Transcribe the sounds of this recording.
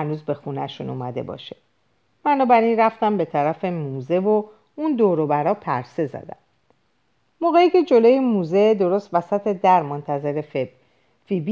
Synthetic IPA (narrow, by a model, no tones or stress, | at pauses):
ænuːzbe̞xunæ̰ʃunumæd̪e̞̰bɒ̰ʃe̥ | b̥ænɒːbæɾinræft̪æmbe̞t̪ʰæɾæfe̞muːze̞vo̞ | und̪oːɾobæɾɒːpʰæ̰ɾse̞zæ̰d̪æ̰m | moɣejicʰe̞d͡ʒo̞loːjemuze̞d̪o̞ɾost̪væsæt̪ʰe̞d̪æɾmont̪ʰæze̞ɾef | fib